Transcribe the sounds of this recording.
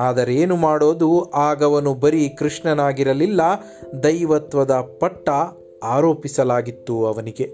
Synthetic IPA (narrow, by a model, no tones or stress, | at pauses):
aːd̪ɐɾeeːnumaːɽo̞ːd̪uaːɡɐʋɐnubɐɾikɾiʂɳɐnaːɡiɾɐlilːɐ | d̪ɐjʋɐt̪ʋɐd̪ɐpɐʈːɐ | aːɾo̞ːpisɐlaːɡit̪ːuɐʋɐniɡe̞